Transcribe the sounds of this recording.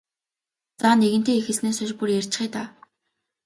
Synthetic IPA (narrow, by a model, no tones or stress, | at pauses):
t͡saːneɣɘ̆nt̪ʰeːixɘ̆ɮneːsʊʃpurjær̥ʲt͡ɕ̆χiːt̪aː